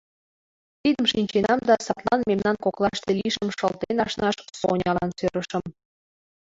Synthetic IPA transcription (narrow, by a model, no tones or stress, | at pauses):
t̪id̪əmʃinʲt͡ɕenɑmd̪ɑsɑt̪lɑnmemnɑnkoklɑʃt̪eliʃəmʃəlt̪enɑʃnɑʃso̰nʲɑlɑ̰nsøɾəʃə̆m